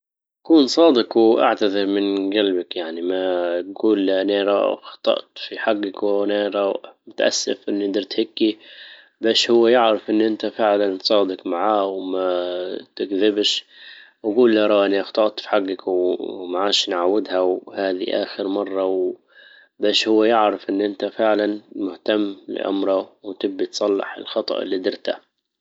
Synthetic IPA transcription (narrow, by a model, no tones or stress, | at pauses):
ʔakuːnsˤɑːd̪ɪqwʔa̰ʕt̪aðɪɾmɪnɡalbakjaʕnimaɡuːlːʔnaɾɑ̰xɑ̥t̪ˤɑ̰ʔt̪fiħaɡːɪkwnaɾˤɑmʊt̪ʔa̰sːɪ̰fʔɪnːd̪ɑɾˤt̪hɪkːi | baːʃhʊwːajɪʕɾɪfʔɪnːʔɪnt̪afɪʕlansˤɑːd̪ɪqmaʕaːwmat̪ɪɡðɪbʃ | ʔaɡuːlːaɾˤɑːʔaniʔɑxt̪ˤɑʔt̪ˤfħaɡːɪkwmaʕaːʃnʕawːɪd̪hawhaːðḭʔa̰ːxɪɾmɑrˤːɑw | baːʃhʊwːajɪʕɾɪfʔɪnːʔɪnt̪afɪʕlanmʊht̪amːlɪ̰ʔa̰mɾˤɑwt̪ɪbːit̪sˤɑlːɑ̰ħɪ̰lxɑt̪ˤɑ̰ʔɪ̰lːiːd̪ɪɾt̪a̰